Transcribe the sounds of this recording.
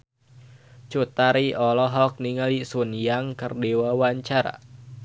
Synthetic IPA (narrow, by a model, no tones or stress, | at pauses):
t͡ʃut̪aɾiʔɔlɔɦɔk̚niŋalisunjaŋkərdewawaɲt͡ʃaɾa̰